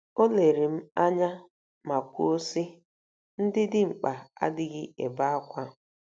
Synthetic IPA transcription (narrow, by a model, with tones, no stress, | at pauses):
o˦le˨ɾi˨m̩˦a˦ɲa˦ | ma˨kʷu˦o˦si˦ | n̩˦dɪ˦dɪ˦ŋ͡m̩˨k͡pa˨a̰˦dɪ˦ɡɪ˦ḛ˨ba˦a˦kʷa˦